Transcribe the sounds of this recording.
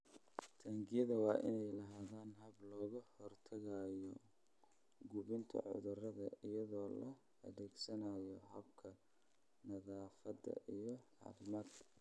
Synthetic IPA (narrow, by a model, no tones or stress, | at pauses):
t̪ʰaːŋɡɪjɐðɐwɑːʔɪnɛjlɐɦaːðaːnɦɐblɔːɣɐhɔrt̪ʰɐɣaːjɔ | ɡʊβɪnt̪ʰɐ̰ʕʊ̰ðʊrɐðɐɪjɐðɔːlɐ | ɐðɛːɡsɐnajɔɦɐbkʰɐ | nɐðaːfɐd̪ɐ̰ʔijɞħɑ̰ɾmɐd̪